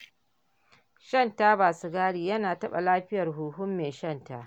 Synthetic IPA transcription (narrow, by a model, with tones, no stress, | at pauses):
ʃɐ˦ntaː˦baː˨su˦ɡaː˦ɽiː˨jɐ˦naː˨tɐ˦ɓa̰˨laː˦ɸɪ˦jɐ˨rɦuː˨ɦʊ˦mːeː˨ʃɐ˦˨nta˨ʔ